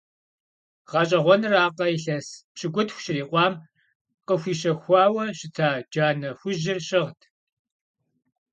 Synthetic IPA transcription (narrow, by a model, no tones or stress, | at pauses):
ʁɑɕʼɐʁʷɔnɨraːqɐiɬɐspɕʰɪɡʷʊtxʷɕɪriːqʷʼɑːm | qəxʷiːɕɐxʷɑːwɐɕɪtʰaːd͡ʒaːnɐxʷʊʒɪrɕʼɪʁtʰ